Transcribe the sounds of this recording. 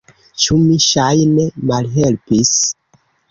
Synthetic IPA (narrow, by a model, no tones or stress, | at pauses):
t͡ʃumiʃajne̞malɦe̞lpis